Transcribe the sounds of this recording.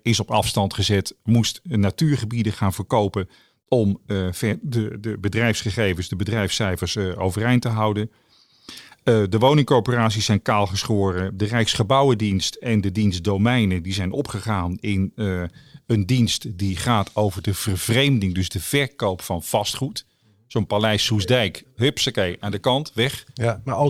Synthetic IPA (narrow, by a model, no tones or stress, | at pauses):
ɪsɔpɑfstɑntχəzɛtmustnatyːɹχəbidəχaːnvəɹkowpə | ɔmvɛdədəbədrɛjfsχəχejvənsdəbədrɛjfsɛjfəɹso̰wvərejntəɦɑwdən | dəʋownɪŋkɔɹpəraːtsisɛjnkaːlˠχəsχʊːrədərɛjksχəbʌwədinstɛndədinsdowmɛjnədizɛjnɔpχəχaːnɪn | əndinstdiχaːtʰowvəɹdəv̥ərvrejmdɪŋdɵzdəv̥ɛɹkowpfɑnv̥ɑstχut | sonpalɛjsusdɛjkɦʏpsəkejʔaːndəkɑntʋɛχ